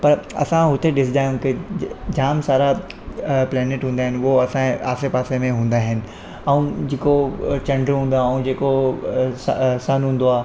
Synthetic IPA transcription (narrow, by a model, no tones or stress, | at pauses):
pɐɾɐ̰sãɦʊt̪ʰeɗɪs̬ɪd̪aːjũked͡ʑaːmsaːɾa | plɛːnɪʈɦũːnd̪aːɦɪnɪ̆ɦoɐsãa̰ːsepaːsemẽɦũːnd̪aːɦɪnɪ̆ | ɐũd͡ʑeːkot͡ɕɐ̃ɳɖəɾɦũːnd̪aːɐũd͡ʑeːkossɐnɦũːn̆d̪oaː